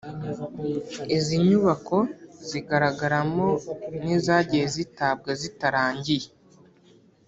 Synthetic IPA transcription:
iziɲuβako̞ziɡaɾaɡaɾamo̞nizaːɟijezitab̚ɡezitaɾaːɲɟije

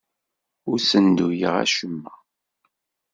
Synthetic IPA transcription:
ʊɾsənd̪ujəʁæ̰ʃəmːæ

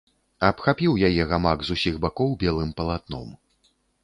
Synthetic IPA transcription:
ɐpxapʲiwjajɛɣamakzusʲiɣbakɔwbʲɛlˠɨmpɐlˠat̪̚nɔ̰m

